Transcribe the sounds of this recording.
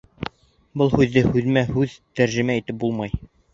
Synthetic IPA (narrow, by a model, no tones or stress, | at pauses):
bɤlˠhʉðːɘhʉðmæhʉðt̪æɾʒɘ̆mæit̪ɘp̚bulˠmɑj